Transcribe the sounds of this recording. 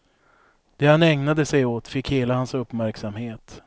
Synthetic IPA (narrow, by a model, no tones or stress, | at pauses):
d̪̥ɛhanɛŋnad̪əsɛjoːt̪fɪkheːlahansɵpːmæɾksamheːt̪